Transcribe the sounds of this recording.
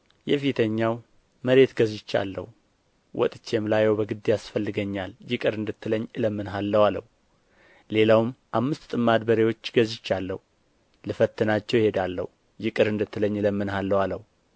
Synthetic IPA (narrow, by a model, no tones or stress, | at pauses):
jɛfit̪ʰəɲːaw | məɾe̞t̪ɡəzɪt͡ʃːa̰lːə̰hu | wʔɔ̰t̪ʼɨt͡ʃːemlajɛwbəɡɨd̪ːejasfəlːɨɡəɲːaljɪkʼɨɾɨnd̪ɨt̪ːɨləɲːɨləmːɨnɦalːəwalə̰hu | le̞lawɨmʔamːɨst̪t̪ʼɨmːad̪bəɾewo̞t͡ʃːɡəzɪt͡ʃːalːə̰hu | lɨfət̪ʰːɨnat͡ʃːɛwjɪhe̞d̪alːə̰hu | jɪkʼɨɾɨnd̪ɨt̪ːɨləɲːɨləmːɨnhalːəwaləhu